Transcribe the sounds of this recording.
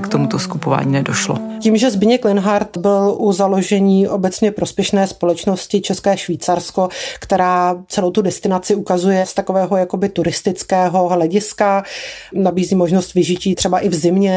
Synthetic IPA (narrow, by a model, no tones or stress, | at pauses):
kt̪omut̪oskupova̰ːɲiːnɛdoʃlo̰ciːmʒɛzbɪɲɛklɪnɦaɾt̪bɪlʔuzalo̞ʒɛɲiːʔo̞bɛt͡sɲɛpɾospjɛʃnɛːspo̞lɛt͡ʃnoscɪt͡ʃɛskɛːʃviːt͡saɾsko̞kt̪ɛɾaːt͡sɛlo̞wt̪udɛst̪ɪnat͡sɪʔukazujɛst̪ako̞vɛːɦo̞jako̞bɪt̪uɾɪst̪ɪt͡skɛːɦo̞ɦlɛɟɪskanabiːziːmo̞ʒnost̪vɪʒɪciːt̪r̥ɛbaʔɪvzɪmɲɛ